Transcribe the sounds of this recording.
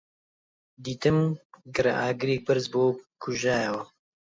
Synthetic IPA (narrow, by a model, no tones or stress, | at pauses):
d̪iːt̪ɨmɡɨɾɐ̰ʔaːɡɨɾeːk̚bɨɾzboːkʰuʒaːjɐwɐ